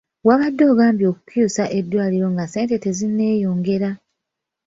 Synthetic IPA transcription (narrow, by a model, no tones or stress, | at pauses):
waβadːo̞ːɡaːmbjo̞ːku̥kjuːsaʔe̞d̪ːwaːliɾo̞ŋɡase̞ːnte̞te̞zinːe̞ːjo̞ːŋɡe̞ɾa